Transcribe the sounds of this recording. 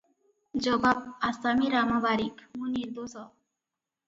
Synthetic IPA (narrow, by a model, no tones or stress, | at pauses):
d͡ʒɔbab̚asamiɾamabaɾikmuniɾd̪osɔ